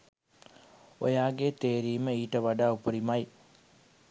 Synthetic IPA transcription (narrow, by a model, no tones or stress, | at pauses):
o̰jaːɡet̪eːɾiːməiːʈəʋaɖaːupəɾimaj